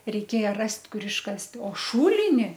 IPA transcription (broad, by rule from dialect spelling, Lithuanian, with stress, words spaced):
rʲɛɪˈkʲeːjɛ ˈrɐsʲtʲ ˈkʊr ɪʃˈkɐsʲtʲ oː ˈʃuːlʲɪnʲɪ